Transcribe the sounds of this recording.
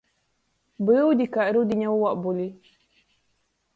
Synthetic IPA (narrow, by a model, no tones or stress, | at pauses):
bəwdikaɾiwdiɲawwaʔbuli